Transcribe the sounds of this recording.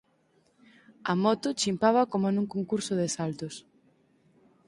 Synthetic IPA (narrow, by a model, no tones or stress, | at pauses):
ɐmɔt̪ʊt͡ʃimpaβɐkomʊɛnũŋkoŋkuɾsʊðesalt̪ʊs